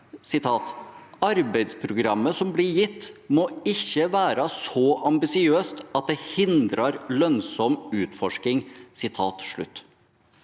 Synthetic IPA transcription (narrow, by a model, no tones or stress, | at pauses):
sɪt̪ʰɑːt̪ɑɾbɛɪd̪spʰɾʊɡɾɑmːəsɔmblɪɾjɪt̪ːmoɪçːəʋæːɾɑsɔʔɑmbɪsɪøːst̪ɑt̪̚d̪ɛhɪnd̪ɾɑɾlœnsɔmʉːt̪fɔʂkɪŋsɪt̪ʰɑːt̪ʂɭʉ̰t̪ː